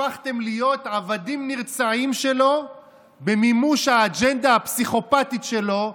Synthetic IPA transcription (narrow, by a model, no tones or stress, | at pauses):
aχt̪e̞mlijo̞tʕavad̪imniʁt͡saʕimʃe̞lo̞ | bemimuʃhaːd͡ʒend̪ahapsiχo̞pat̪itʃe̞lo̞